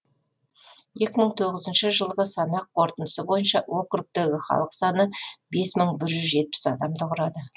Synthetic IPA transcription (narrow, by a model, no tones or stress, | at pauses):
je̞kʲɪməɴt̪ʰo̞ʁəzənʃəʒəlˠʁəsɑnɑqqʰːo̞ɾt̪ənd̪əsəbo̞jənʃɑwʔo̞kruk̚t̪e̞ɡʲɪχɑ̰lˠəqsɑnəbe̞sməɴbɪɾʒʏzʒe̞t̪̚pɪ̥sɑd̪ɑmd̪əqʰʊɾɑd̪ə